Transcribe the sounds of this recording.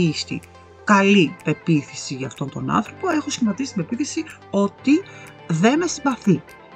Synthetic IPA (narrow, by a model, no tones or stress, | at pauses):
ist̪ḭ | kɐlipe̞piθisiʝɐːft̪o̞nt̪o̞nɐ̰nθɾo̞po̞e̞xosçimɐt̪isi̥t̪imbe̞piθisi | o̞t̪i | ðe̞nesiɱvɐθi